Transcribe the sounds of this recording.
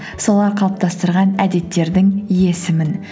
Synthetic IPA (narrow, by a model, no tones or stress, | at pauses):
so̞lˠɑɾqʰɑlˠəp̚t̪ʰɑst̪əɾʁɑnæd̪e̞t̪ːe̞ɾd̪ɪŋije̞sɪmɪn